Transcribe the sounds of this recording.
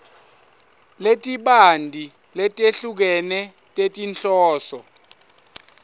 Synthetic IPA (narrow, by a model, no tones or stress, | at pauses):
letʼiɓandʱi | lɛtʼeɬuk̬ɛnɛ | tʼetʼint͡ɬʼɔːsɔ